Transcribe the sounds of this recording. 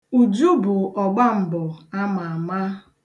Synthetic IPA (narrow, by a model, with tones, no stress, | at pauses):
u˨d͡ʒu˦bʊ˨ʔɔ˨ɡ͡ba˦m̩˨bʊ˨a˦ma˨a˨ma˦